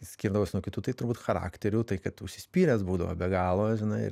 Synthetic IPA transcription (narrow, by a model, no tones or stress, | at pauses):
sʲkʲiːɾd̪ɐʋoːsʲnuokʲɪt̪uːt̪ɐɪt̪ʊɾbuːt̪xɐɾɑ̰ːkt̪ʲɛɾʲut̪ɐɪkɐt̪ʊʃʲsʲɪsʲpʲiːɾʲɛsbuːd̪ɐʋo̰bʲɛɡɑːlˠoːjɛʒʲɪnɐɪɪ̰ɾ